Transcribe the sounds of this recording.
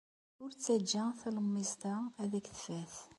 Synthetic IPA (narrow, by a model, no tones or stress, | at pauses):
ʊɾt͡sːæd͡ʒːæθæləmːizt̪ɑæðækθfæθ